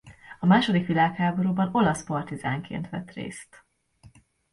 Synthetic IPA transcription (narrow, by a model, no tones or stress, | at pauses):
ɒmaːʃo̞d̪ikʋilaːkhaːbo̞ɾuːbɒno̞lɒspɒrt̪izaːŋkʰḛːnt̪ʋɛ̰t̪rḛːst̪